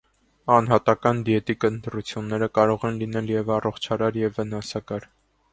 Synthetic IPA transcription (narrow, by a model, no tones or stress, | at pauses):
ɑnɦɑt̪ɑkɑnd̪ijɛt̪ikənt̪ɾut͡sʰjunːɛɾəkɑɾɔʁɛnlinɛljɛvɑrɔχt͡ʃʰɑɾɑɾjɛvːənɑsɑkɑɾ